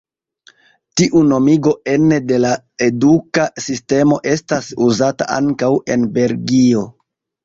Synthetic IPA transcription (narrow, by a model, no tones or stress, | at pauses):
tiʔuno̞miɡo̞e̞nede̞la | e̞dukasiste̞mo̞ʔe̞stasuzata̰ʔa̰ŋkawe̞nbe̞lɡio̞